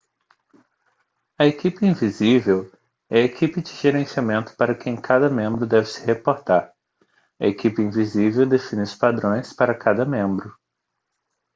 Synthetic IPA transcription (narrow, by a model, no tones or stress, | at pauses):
ɐekipɪĩvizivew | ɛɐekipɪd͡ʒɪʒeɾẽsiamẽnt̪ʊ̥paɾɐkẽj̃kʰad̪ɐmẽmbɾʊd̪ɛvɪsɪ̥hepoɾt̪aɾ | ɐ̰ekipɪĩvizivewd̪efĩnɪʊspad̪ɾõj̃spaɾɐkʰad̪ɐmẽmbɾʊ